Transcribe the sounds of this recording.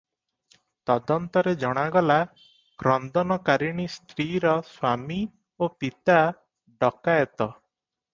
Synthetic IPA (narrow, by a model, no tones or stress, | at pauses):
t̪ɔd̪ɔnt̪ɔɾed͡ʒɔɽ̃aɡɔla | kɾɔnd̪ɔnɔkaɾiɽ̃ist̪ɾiɾɔswami | opit̪a | ɖɔkajɔt̪ɔ